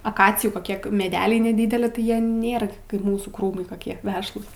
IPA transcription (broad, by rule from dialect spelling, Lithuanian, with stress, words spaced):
ɐˈkɑːt͡sʲɪjuː koːˈkʲiɛ mʲɛˈdʲæːlʲɛɪ nʲɛˈdʲiːdʲɛlʲɪ tɐɪ ˈjiɛ ˈnʲeːrɐ kɐɪp ˈmuːsuː ˈkruːmɐɪ koːˈkʲiɛ ˈʋʲæːʃlˠuːs